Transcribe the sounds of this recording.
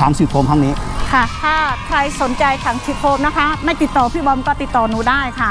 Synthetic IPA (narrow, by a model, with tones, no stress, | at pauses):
aː˩˦ŋsiː˨˩p̚ʰoː˧mt̪ʰa˦˥ŋniː˦˥kʰa˥˩t̪ʰaː˥˩kʰɾa˧jso˨˩˦nt͡ɕa˧jt̪ʰaː˩˦ŋsʰiː˨˩p̪̚ʰoː˧mna˦˥kʰa˦˥ma˥˩jt̪i˨˩t̪ːɔː˨˩pʰiː˥˩bɔː˧nkɔː˥˩t̪i˨˩t̪ːɔː˨˩nuː˨˦daː˥˩jkʰa˧˥˩